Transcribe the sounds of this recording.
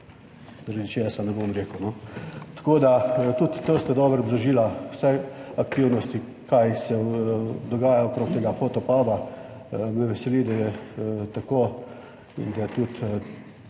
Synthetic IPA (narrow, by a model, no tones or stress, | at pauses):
zaɾad̪it͡ʃeːsanɛbomɾeːkəwnɔt̪ḁkoːd̪at̪ut̪ːost̪ad̪ɔːbɾbd̪ɔʒiːlasɛakt̪iwnɔst̪i | kajsɛd̪ɔɡaːjaokɾoːk̚t̪eːɡafoːt̪ɔpaːba | mɛʋɛsɛlid̪ajɛt̪akoː | d̪at̪ut̪